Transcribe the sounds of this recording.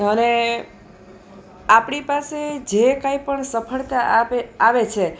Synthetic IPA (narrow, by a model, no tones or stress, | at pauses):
əne | apɳipased͡ʒekaipəɳsəpʰəɭt̪aaʋet͡ʃʰe